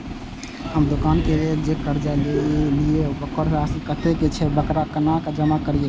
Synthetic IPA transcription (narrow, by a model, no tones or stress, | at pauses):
həmd̪ʊkankeɾeld͡ʒekəɾd͡ʒaɪleliebəkəɾsasikət̪eket͡ʃʰɛbəkɾakənakad͡ʒəmakəɾie